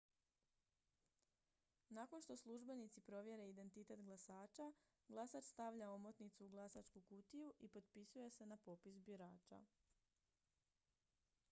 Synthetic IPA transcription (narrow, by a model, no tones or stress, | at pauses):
nakonʃt̪o̞slˠuʒbe̞nit̪sipɾo̞ʋje̞ɾe̞id̪e̞nt̪it̪e̞t̪ɡlˠasaːt͡ʃa | ɡlˠasat͡ʃst̪aʋʎao̞mo̞t̪nit̪suːɡlˠasat͡ʃkukut̪ijuʔipo̞t̪pisuje̞se̞napo̞pisbiɾaːt͡ʃa̰